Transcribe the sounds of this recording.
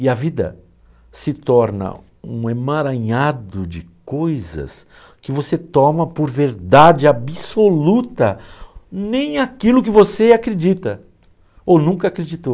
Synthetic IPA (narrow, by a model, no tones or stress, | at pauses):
ɪɐvid̪ɐ̰ | sɪt̪ɔɾnɐ̰ | ṵ̃ẽmaɾɐ̃ɲad̪ʊd͡ʒɪkojzɐ̰s | kɪvoset̪ɔmɐpoɾveɾd̪ad͡ʒɪabisolut̪ɐ | nẽj̃akilʊkɪvoseakɾed͡ʒit̪ɐ | ownũkɐakɾed͡ʒit̪ow